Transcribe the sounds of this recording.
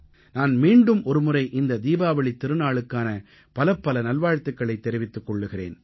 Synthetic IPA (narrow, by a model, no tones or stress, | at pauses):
naːnmiːɳɖɯmʔɔɾɯmɯrɐɪʔɪnd̪ɐd̪iːbaːʋɐɭit̪ːɪɾɯnaːɭɯkːaːnɐ | pɐlɐpːɐlɐnɐlʋaːɻt̪ːɯkːɐɭɐɪt̪ːɛɾɪʋɪt̪ːɯkːɔɭːɯɣɪrḛːn